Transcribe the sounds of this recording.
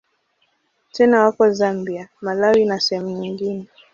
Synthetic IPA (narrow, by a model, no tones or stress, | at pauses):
tɛnawakɔzambiamalawinasɛhɛmuɲiŋɡinɛ